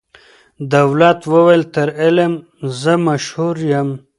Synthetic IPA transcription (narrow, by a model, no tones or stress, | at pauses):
d̪awlat̪wəwajlt̪əɾɪlem | zəmaʃhuɾjam